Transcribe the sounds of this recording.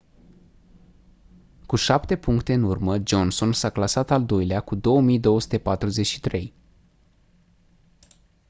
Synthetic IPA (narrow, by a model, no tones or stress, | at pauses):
kuʃapt̪e̞puŋkt̪e̞ɨnurməd͡ʒo̞nso̞nsaklasat̪ald̪ojleakud̪o̞wəmijd̪o̞woəsu̥t̪e̞pat̪ɾuze̞t͡ʃʲʃi̥t̪ɾe̞j